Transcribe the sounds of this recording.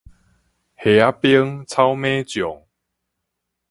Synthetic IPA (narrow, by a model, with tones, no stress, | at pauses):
he˨˩a˦pjə˦ŋt͡sʰa˦wmẽː˦t͡ɕjɔ˨˩ŋ